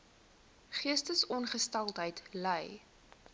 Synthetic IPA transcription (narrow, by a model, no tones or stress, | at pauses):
χiəstəsɔnχəstɐlˠtɦəjtləj